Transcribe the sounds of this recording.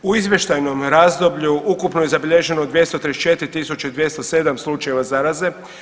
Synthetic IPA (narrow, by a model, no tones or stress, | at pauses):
uizʋje̞ʃt̪ajno̞mɾazd̪obʎuukupnoje̞zabiʎe̞ʒe̞nod̪ʋje̞st̪ot̪ɾiet͡ʃet̪ɾit̪isut͡ʃeid̪ʋje̞st̪ose̞d̪amslˠut͡ʃajeʋazaɾaze̞